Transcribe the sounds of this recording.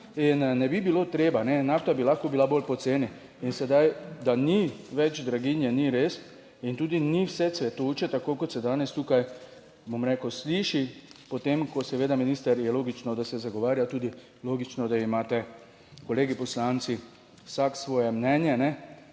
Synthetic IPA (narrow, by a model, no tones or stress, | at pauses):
inːɛbibilot̪ɾeːbanɛnaft̪abilaxkɔbilaboːlpɔt̪seːni | insɛd̪ajd̪aniʋɛd͡ʒd̪ɾaɡinjɛniɾeːs | int̪uːd̪iniwsɛt̪sʋɛt̪oːt͡ʃɛt̪akoːkɔt̪sɛd̪aːnɛst̪uːkaj | bomɾɛːkəwsliːʃipɔt̪emkɔsɛʋeːd̪aminiːst̪əɾjɛloːɡit͡ʃnɔd̪asɛzaɡoʋaːɾjat̪uːd̪i | loːɡit͡ʃnɔd̪aimaːt̪ɛ | koleːɡipɔslant̪si | wsaksʋɔːjɛmnɛːnjɛnɛ